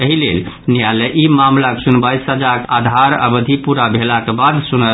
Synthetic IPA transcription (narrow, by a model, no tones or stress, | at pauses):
əɦilel | nijaleʔimamlaksunbajsɦəd͡ʒakad̪ʱaɾə̰bəd̪ʱipuɾabʱelakebad̪sunə